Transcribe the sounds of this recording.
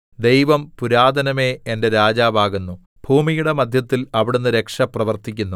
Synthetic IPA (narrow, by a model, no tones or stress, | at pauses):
d̪e̞jʋɐmpuɾaːd̪ʱɐnɐme̞ːende̞ɾaːd͡ʑaːʋaːɣunːu | b̥ʱuːmijuɽe̞mɐd̪ʱjɐt̪ːilɐʋiɽunːɨɾe̞kʂɐprɐʋɐrt̪ikʲːunːu